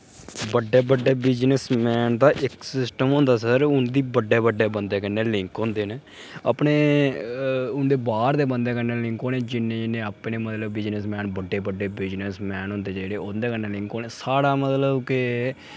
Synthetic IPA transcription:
bəɖːeːbəɖːeːbɪd͡ʒnəsmɛːnd̪aːʔɪksɪsʈəmõːnd̪aːsəɾʊnd̪iːbəɖːeːbəɖːeːbənd̪eːkənːeːlɪŋkõːnd̪eːneː | a̰pɳeː | ʊnd̪eːbaːɾd̪eːbənd̪eːkəɾneːlɪ̃ŋkoːneːd͡ʒɪnːẽːnẽːapɳeːmət̪ləbbɪd͡ʒnəsmɛːnbəɖːeːbəɖːeːbɪd͡ʒnəsmɛːnɦõːnd̪eːd͡ʒeːɽeːoːnd̪eːkəneːlɪ̃ŋkoːneːsaːɽaːmət̪ləbkɪ

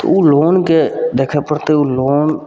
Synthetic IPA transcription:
t̪o̰uloːnked̪eːkʰepəɽt̪euloːn

